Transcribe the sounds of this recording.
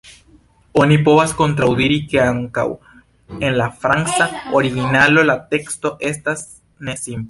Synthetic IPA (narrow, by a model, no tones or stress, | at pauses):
onipo̞βasko̞nt̪ɾawd̪iɾike̞aŋka̰w | e̞nlafɾaŋnsaoɾiɣinalo̞lat̪e̞kst̪o̞ʔe̞st̪as | ne̞simple